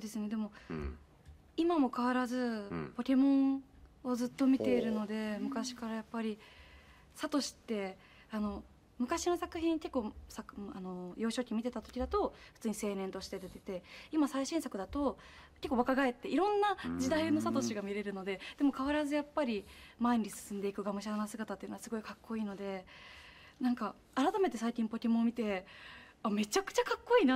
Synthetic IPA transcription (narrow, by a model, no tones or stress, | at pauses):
soːd̪e̞sɨne̞d̪e̞mo̞ | imamo̞kaβaɾazɨpokʲe̞mõ̞ɴo̞zɨt̪ːo̞mʲit̪e̞iɾɯ̟no̞d̪e̞mɯ̟kaɕi̥kaɾajapːaɾʲi | sat̪o̞ɕi̥t̪ːe̞ | ano̞ | mɯ̟kaɕinosakɯ̟çĩɲ̟ːike̞kːo̞ːsakano̞jo̞ːɕo̞kʲimʲit̪e̞t̪at̪o̞̥kʲid̪at̪o̞ɸɯ̟̥t͡sɨːɲ̟ise̞ːnẽ̞nt̪o̞ɕi̥t̪e̞d̪e̞t̪e̞t̪e̞imasaiɕĩɰsakɯ̟d̪at̪o̞ | ke̞kːoβakaɡae̞t̪ːe̞ʔiɾõ̞nːad͡ʑid̪aino̞sat̪o̞ɕiɡamʲiɾe̞ɾɯ̟no̞d̪e̞d̪̥e̞mo̞kaβaɾazɨjapːaɾʲimaeɲ̟ʲɾisɨ̥sɨ̃nd̪e̞ikɯ̟ɡamɯ̟ɕ̬aanasɨɡat̪at̪ːeiɯ̟noasɨɡo̞ikakːo̞iːno̞d̪e̞ | nãŋka | aɾat̪ame̞t̪e̞saikʲĩmpo̞kʲe̞mõ̞mʲit̪e̞ | ame̞t͡ɕakɯ̟̥t͡ɕakakːo̞iːna